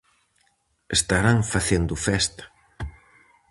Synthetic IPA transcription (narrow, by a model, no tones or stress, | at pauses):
est̪aɾaŋfaθend̪ʊfɛst̪ḁ